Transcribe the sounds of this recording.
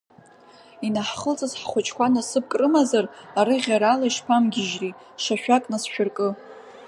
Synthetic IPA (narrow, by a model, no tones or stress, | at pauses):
inaħχəlt͡sʼazħχʷʊt͡ʃʼkʷʰanasɨp̚kʼrɨmazaraɾɨʁʲaɾalaiʂpʰamɡʲɪʒri | ʂaʃᶣakʼnasʃᶣʊrkʼɨ